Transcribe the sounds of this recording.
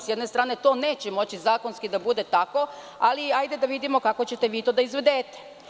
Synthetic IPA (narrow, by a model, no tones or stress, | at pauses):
sjed̪ne̞st̪ɾaːne̞t̪o̞ːne̞ːt͡ɕemo̞t͡ɕizaːko̞nskid̪abud̪e̞t̪ako̞ | aliajd̪ed̪aʋid̪imo̞kako̞t͡ɕe̞t̪e̞ʋiːt̪o̞ːd̪aizʋe̞d̪eːt̪e̥